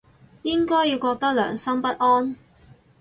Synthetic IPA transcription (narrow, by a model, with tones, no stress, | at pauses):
jɪ˥ŋkɔː˥jiː˨˧wkɔː˧k̚t̪ɐ˥k̚lœ̰ː˨˩ŋsɐ˥mpɐ˥t̚ʔɔː˥n